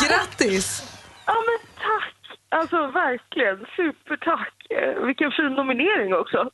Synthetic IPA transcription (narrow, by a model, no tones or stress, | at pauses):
ɡɾat̪ːɪsaːmɛnt̪ʰakːalsɔvæɾklɪɡənsʉ̟ːpəʈʰakːvɪkːənfiːnːʊmɪneːɾɪŋɔksɔ